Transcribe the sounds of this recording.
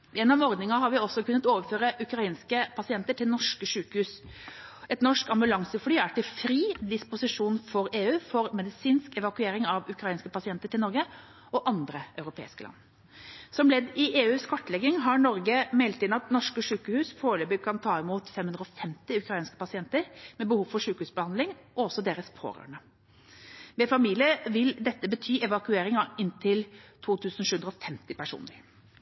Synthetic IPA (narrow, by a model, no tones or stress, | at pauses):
ɛnːɔmɔɾd̪nɪŋɑɦɑɾʋɪɔsːɔkʰʉnːət̪oːʋəɾføːɾəʔʉkɾɑiːnskəpʰɑsɪɛnt̪əʈʰɪlnɔʂkəʂʉːkəhʉːs | ɛt̪nɔʂkɑmbʉlɑŋsəflyːæʈɪlfɾiːd̪ɪspʊsɪʂuːnfɔɾeːʉːfɔɾmɛd̪ɪsiːnskɛʋɑkʉeːɾɪŋɑʋʉkɾɑiːnskəpɑsɪɛnt̪əʈɪlnɔɾɡə | ɔʔɑnd̪ɾəʔɑʉɾʊpʰḛːɪskəlɑ̰nː | sɔmlɛd̪ɪʔeːʉːskʰɔʈːəlɛɡɪŋɦɑɾɳɔɾɡəmɛɪlt̪ɪnɑt̪nɔʂkəʂʉːkəhʉːspʰoːlɛbʉkʰɑnt̪ʰɑːɪmuːt̪fɛmhʉnd̪ɾɔfɛmt̪ɪʉkɾɑiːnskə̥pɑsɪɛnt̪əɾmɛbəhuːʋfɔʂʉːkəhʉːsbəhɑnd̪lɪŋʔɔɔsɔd̪eːɾəspʰo̰ːɾø̰ːɳə | mɛfɑmiːlɪəʋɪld̪ɛt̪ːəbət̪ʰyːɛʋɑkʉeːɾɪŋɑɪnt̪ʰɪlt̪ʰuːt̪ʰʉːsn̩ʃʉːʉnd̪ɾɔfɛmt̪ɪpæʂṵːnəɾ